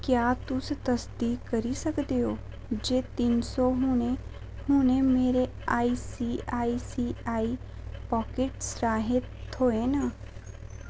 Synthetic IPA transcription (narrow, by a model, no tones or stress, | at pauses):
kjaːt̪ʊst̪əsd̪ikɐɾisəkd̪eoː | d͡ʒeːt̪insɔɦʊ̃ñẽ | hʊ̃ñẽmeːɾe | aːisiaːisiaːi | pɔːkeʈsɾaːɦɪt̪oːẽna